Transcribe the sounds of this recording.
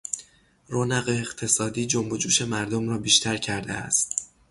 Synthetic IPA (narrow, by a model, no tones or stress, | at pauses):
ronæɣeːχt̪ʰe̞sɒːd̪iːd͡ʒombod͡ʒuːʃe̞mæɾd̪omɾɒːbiːʃt̪ʰæɾcʰæɾd̪eæ̰st̪